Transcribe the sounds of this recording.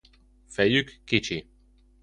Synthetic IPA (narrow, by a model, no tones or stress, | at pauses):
fɛjykːit͡ʃi